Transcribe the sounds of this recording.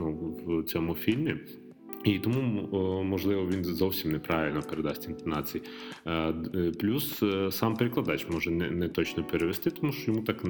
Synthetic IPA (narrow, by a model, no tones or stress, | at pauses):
nuwt͡sʲɔmufʲilʲmʲɪ | it̪ɔmumɔʒlˠɪʋɔʋʲinzɔwsʲimnɛpɾɑʋʲilʲnɔpeɾed̪ɑsʲtʲɪnt̪ɐnɑt͡sʲiji | plʲussɑmpeɾeklˠɐd̪ɑt͡ɕmɔʒɛnɛ̰nɛt̪ɔt͡ɕnɔpeɾeʋʲest̪ɪt̪ɔmuʃɔjɔmut̪ɑk̪